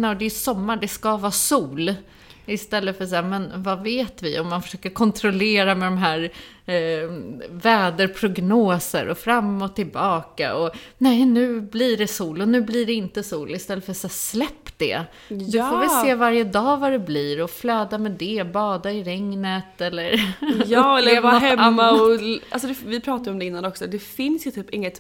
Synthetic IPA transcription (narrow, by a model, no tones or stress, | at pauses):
nad̪ɛjsɔmːaɖɛskavɑːsuːl | ɪst̪ɛlːəfœs̬aːmɛnvaveːt̪vɪɔmːanfœ̥ʂøːkəɾkʰɔnt̪ʰɾɔleːɾamɛd̪ɔmɦæːɾ | vɛːd̪əɾpʰɾʊɡnoːsə̰ɾʔɔfɾamːɔt̪ʰːɪlbɑːka̰ɔnɛjnʉ̟ːbliɖɛsuːlɔnʉ̟ːblɪɖɛɪnt̪əsuːlɪst̪ɛlːəfœɾsɛslɛpːd̪ɛ̰ | d̪ɵfovɛlseːvaɾjəd̪ɑːvaɾɛbliːɾɔflœːd̪amɛd̪ɛbɑːd̪aɪɾɛŋnət̪ɛlːəɾjːɛlhɛmːaɔa̰lsɔd̪ɛfvɪpʰɾɑːt̪ad̪jɔmd̪ɛɪnːanɔksɔd̪ɛfɪnsjɵt̪ʰyːpɪŋːət̪